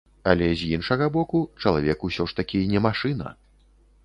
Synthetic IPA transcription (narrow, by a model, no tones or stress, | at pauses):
ɐlʲɛzʲjinʂɐɣɐbɔkut͡ʂɐlˠavʲɛkusʲɔʂt̪akʲinʲɛmaʂɨnɐ̰